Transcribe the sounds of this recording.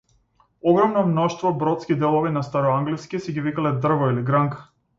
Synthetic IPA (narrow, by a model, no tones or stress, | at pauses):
ɔɡɾɔmnɔmnɔʃt̪vɔbɾɔt̪skid̪ɛlˠɔvinast̪aɾɔaŋɡliskisɛɡivikalɛd̪r̩vɔiliɡɾaŋk